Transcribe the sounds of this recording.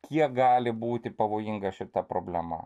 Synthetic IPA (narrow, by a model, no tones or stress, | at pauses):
kʲiɛk̚ɡɑːlʲɪbuːt̪ʲɪpɐʋoːjɪŋɡɐʃʲɪt̪ɐpɾoːbʲlʲɛmɐ̰